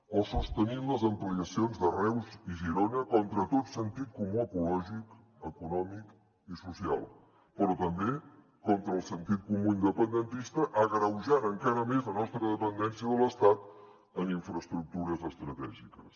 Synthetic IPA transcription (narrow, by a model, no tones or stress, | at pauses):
ɔsust̪ənimləzəmpliəsionzðərɛwziʒiɾonəkɔnt̪ɾət̪ot̪sənt̪it̪̚kumuəkulɔʒik | əkunɔmik | isusia̰lˠ | pəɾɔt̪əmbe | kɔnt̪ɾəːlˠsənt̪it̪̚kumuind̪əpənd̪ənt̪ist̪əʔəɣɾəwʒanəŋkaɾəmezlənɔst̪ɾəðəpənd̪ɛnsiəðələst̪at̪ | əniɱfɾəst̪ɾuk̚t̪uɾəzəst̪ɾət̪ɛʒikəs